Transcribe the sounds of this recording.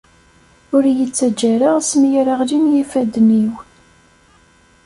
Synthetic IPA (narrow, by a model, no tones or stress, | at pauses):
ʊɾjət͡sːæd͡ʒːæɾaʁsmjəɾaʁlinjifæd̪niw